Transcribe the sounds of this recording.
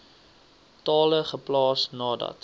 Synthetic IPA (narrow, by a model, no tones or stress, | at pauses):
tɑːləχəplɑːsnɑːdɐ̰t